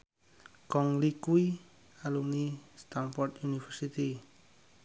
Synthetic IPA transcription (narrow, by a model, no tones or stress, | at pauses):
kɔŋlikui | alumnist̪anfɔrt̪junifɛsit̪i